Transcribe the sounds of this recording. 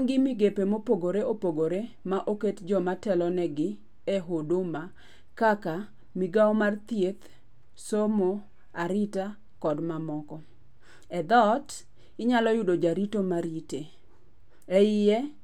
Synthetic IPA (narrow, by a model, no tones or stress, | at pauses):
ŋɡɪmɪɡepemopoɡoɾeopoɡoɾe | maʔoketd͡ʒɔmatɛlɔnɛɡɪ | ɛɦodoma | kaka | miɡaɔmart̪jet̪ | somo | aɾita | kɔdmamɔkɔ | ɛd̪ɔt | ɪɲalɔjʊdod͡ʒaɾitomaɾite | ɛɪjɛ